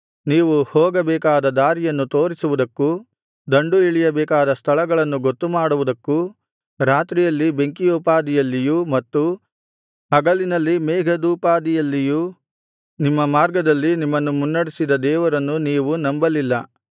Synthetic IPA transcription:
niːʋuhɔːɡɐbɛːkaːd̪ɐd̪aːɾijɐnːut̪o̞ːɾisuʋud̪ɐkːu | d̪ɐɳɖuiɭijɐbɛːkaːd̪ɐst̪ʰɐɭɐɡɐɭɐnːuɡot̪ːumaːɽuʋud̪ɐkːu | ɾaːt̪ɾijɐlːibe̞ŋkijuːpaːd̪ijɐlːijumɐt̪ːu | ɐɡɐlinɐlːimɛːɡʱɐd̪uːpaːd̪ijɐlːiju | nimːɐmaːɾɡɐd̪ɐlːinimːɐnːumunːɐɽisid̪ɐd̪ɛːʋɐɾɐnːuniːʋunɐmbɐlilːɐ

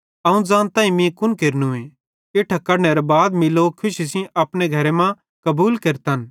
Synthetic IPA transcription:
ɐũd͡zãːnt̪ãːĩmĩkʊnkeːɾnũẽ | eʈʰakɐɾneɾɐbaːd̪mɪlokʰʊʃisĩɐpɽeɡʱɐɾemã | kɐbuːlkeːɾt̪ɐn

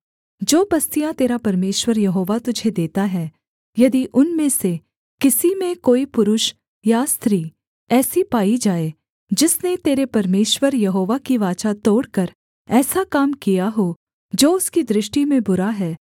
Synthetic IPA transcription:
d͡ʒoːbɐst̪ijãt̪eːɾapɐɾmeːʃwəɾjɐɦoːʋat̪ʊd͡ʒʱed̪eːt̪aɦɛː | jɐd̪iʔʊnmẽse | kɪsimẽkoːipʊɾʊʃ | jast̪ɾiː | ɛːsipaːid͡ʒaːe | d͡ʒɪsnet̪eːɾepɐɾmeːʃwəɾjɐɦoːʋakiʋaːt͡ʃat̪oːɽkɐɾ | ɛːsakaːmkijaɦo | d͡ʒoːʊskid̪ɾɪʃʈimẽbʊɾaɦɛː

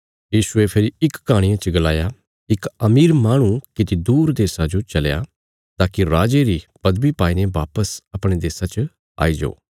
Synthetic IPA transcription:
jiːʃʊepʰɪɾiɪkːaːɽ̃ɪ̃jãt͡ʃɡəlaːja | ɪkɐmiːɾmaːɽ̃ũkɪt̪id̪uːɾd̪eːsad͡ʒot͡ʃɐleja̰ | t̪aːkiɾaːd͡ʒeɾipɐd̪bipaːineʋaːpəsɐpɽ̃ed̪eːsat͡ʃ | a̰ːid͡ʒo̰ː

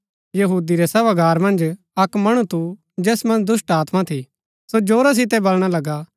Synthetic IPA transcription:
jɐɦuːd̪iɾɛsɐbaɡʱaːɾmɐ̃nd͡ʒ | ɐkmɐɽ̃ut̪ʰu | d͡ʒɛːsmɐ̃nd͡ʒd̪ʊsʈaːt̪mat̪ʰi | sod͡ʒoːɾas̬ɪt̪̬ɛbɐlɽ̃alɐɡa

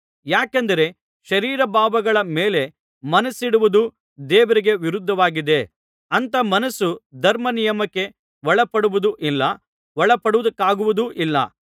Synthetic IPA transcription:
jaːkɐnd̪ɐɾe̞ | ʃɐɾiːɾɐbaːbɐɡɐɭɐmeːle̞ | mɐnɐsiɽuʋud̪u | d̪eːʋɐɾiɡe̞ʋiɾud̪ʱːɐʋaːɡid̪e̞ | ɐnt̪ɐmɐnɐsud̪ʱɐɾmɐnijɐmɐkːe̞ | ʋɔɭɐpɐɽuʋud̪uʔilːɐ | ʋɔɭɐpɐɽuʋud̪ɐkːaːɡuʋud̪uʔilːɐ̰

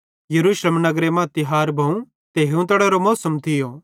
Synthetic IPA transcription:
jɐɾuːʃləmnɐɡɾemãt̪ɪɦaːɾbʱɐũ | t̪eːɦũt̪ɐɽɛɾomɔːsəmt̪ʰɪjoː

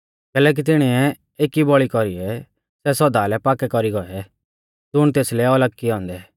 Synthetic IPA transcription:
kɛːlɛːk̬it̪ɪɽ̃iɛ | eːkibɔɭikɔɾiɛ | sɛsɔd̪alɛpaːkɛkɔɾiɡɔɛ | d͡zʊɽ̃t̪eːslɛɔləkːiɦɔ̃ːnd̪ɛ

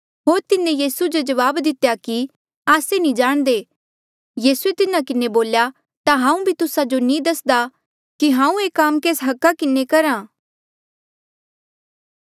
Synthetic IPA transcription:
ɦoːɾt̪ɪnẽjiːsud͡ʒod͡ʒɐʋaːbd̪ɪt̪jaki | aːsenĩd͡ʒaːɽ̃d̪eː | jiːsuet̪ɪnakɪneboːlja | t̪aɦãːũbʱit̪ʊsad͡ʒonĩd̪ɐsd̪a | kiɦãːũeːkaːmkeːsɦɐkːakɪnekɐɾãː

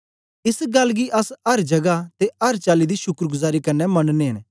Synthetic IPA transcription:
ɪsɡɐlːɡiʔɐsɐɾd͡ʒɐɡat̪eɐɾt͡ʃaːlid̪iʃʊkɾɡʊzaːɾikɐnːɛmɐ̃nneɦɐ̃n

